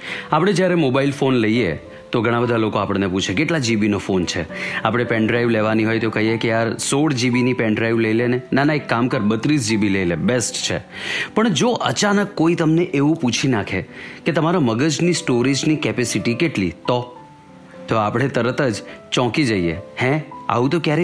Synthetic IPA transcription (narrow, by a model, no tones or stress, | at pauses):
apɽ̃ed͡ʒjaɾemobailfonləie | t̪oɡʱəɽ̃ãbəd̪ʱalokoapəɳneput͡ʃʰekeʈlad͡ʒibinofont͡ʃʰeapɽ̃epɛɳɖɾajʋleʋaniɦojt̪okəɦiekejaɾsoɽd͡ʒibinipɛ̃ɳɖɾaiʋləilenenanaekːamkəɾbət̪ɾisd͡ʒibiləilebesʈt͡ʃʰḛpəɳd͡ʒoʔət͡ʃanəkːoit̪əmneʔeʋũput͡ʃʰinakʰeket̪əmaɾaməɡəd͡ʒnisʈoɾid͡ʒnikɛpesiʈikeʈlit̪o | t̪oapɽ̃et̪əɾət̪əd͡ʒt͡ʃɔ̃kid͡ʒəiehɛ̃a̰ʋũt̪̬okjaɾe